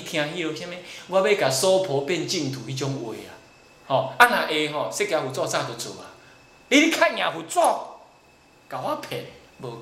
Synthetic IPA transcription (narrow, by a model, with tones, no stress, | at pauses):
t̪ʰj̃ã˧ɦi˦o˧sa˦me˦ɡwa˦be˦ka˨sɔ˦pʰɔ˨˦pe˦˨n˦t͡ɕi˦˨ŋ̩˨t̪ʰu˨hi˦t͡ɕɔ˦ŋwe˨a̰˨ | hɔ̃˨a˦nã˨ʔe˧ɦɔ̃˨se˦ke˧a˧hu˨t͡sɔ˦˧˨sa˦˧˨t̪o˨t͡sʰo̰˨a̰˨ | li˦ɾi˦kʰa˦ɲʲã˨ɦu˨t͡swɔ˦˨ | ka˨wa˦pʰɛ˨ | bo˨